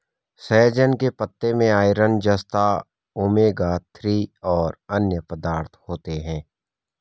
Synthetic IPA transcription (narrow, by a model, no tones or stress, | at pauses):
sɛːd͡ʒənkepət̪ːemẽaːɪɾənd͡ʒəst̪a | oːmeːɡat̪ʰɾiɔːɾənjəpəd̪aːɾt̪ʰhoːt̪eɦɛ̃ː